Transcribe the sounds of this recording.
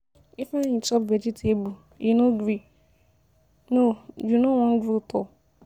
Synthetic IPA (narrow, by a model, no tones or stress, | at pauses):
ifaɲit͡ʃɔpved͡ʒitʰebu | inoɡɾi | nod͡ʒunowɔŋ̩ɡɾutɔ